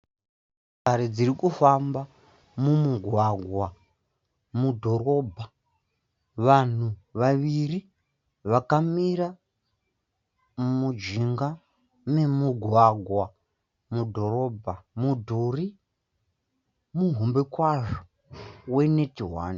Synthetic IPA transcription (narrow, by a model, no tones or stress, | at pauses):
aɾed͡ziɾikufamba | mumuɡʱwaɡʱwa | mudʱo̞ɾo̞ːbʱa | ʋan̤uʋaʋiri | ʋakamiɾa | mud͡ʒiŋɡa | me̞muɡʱwaɡʱwa | mudʱo̞ɾo̞bʱamudʱuri | muɦombekwaʐo | we̞ne̞tiɦwa̰ːni